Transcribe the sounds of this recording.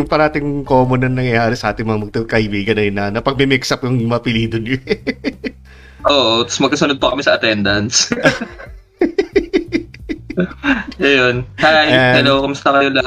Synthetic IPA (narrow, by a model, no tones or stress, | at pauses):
jʊŋpɐɾɐaːt̪ɪŋkoːmonɐŋnɐŋjɐjaːɾɛsɐʔaːt̪ɪŋmɐŋɐmɐɡ̚t̪ɐkɐʔɪbiːɡɐnːɐjɪnɐnɐpɐɡ̚mɪmɪksɐpjʊŋmɐɐpɪliːd̪onʊ | ʔoːʔot̪ɐ̥smɐɡkɐsʊnod̪̚pɐkɐmɪsɐʔɐt̪ɛnd̪ɐns | ʔɐjonhajanɛnokʊmʊst̪ɐkɐjolɐ